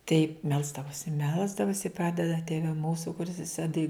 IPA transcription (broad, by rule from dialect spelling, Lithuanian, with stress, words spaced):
tɐɪ ˈmʲɛlˠzdɐʋoːsʲɪ ˈmʲɛlˠzdɐʋoːsʲɪ ˈprɑːdʲɛdɐ ˈtʲeːʋʲɛ ˈmuːsʊ kʊˈrʲɪs ɛˈsʲɪ tɐɪ